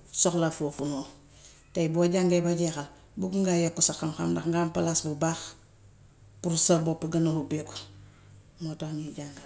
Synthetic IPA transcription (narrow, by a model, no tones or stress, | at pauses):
soxlafofunoː | tajboːɟaŋɡebaɟexal | bukuŋɡajekːusaxamxa̰mdaxŋɡampalasbubaːx | puɾsalbopːeɡanohubeku̥ | motaɲiɟaŋɡa